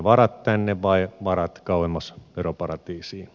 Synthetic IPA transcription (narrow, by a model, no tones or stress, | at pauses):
ʋɑɾɑt̪t̪ænːeʋʋɑiʋɑrɑt̪kɑuhemːɑsʋeropɑrɑt̪iːsiː